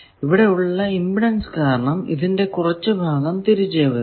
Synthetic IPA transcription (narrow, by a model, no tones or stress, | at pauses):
iʋiɽe̞juɭːɐimbiɽɐnskaːɾɐɳɐmḭðinde̞kurɐt͡ɕːɨbʱaːɡɐmt̪iɾid͡ʑɐjɣɐ